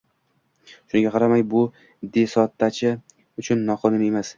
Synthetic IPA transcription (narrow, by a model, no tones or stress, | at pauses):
ʃʊnɪɡʲaqʰɑɾamajbʊ | d̪e̞sɒt̪ʰːat͡ʃʰɪ | ʊt͡ʃʰʊnːɒqʰɒnɪne̞mas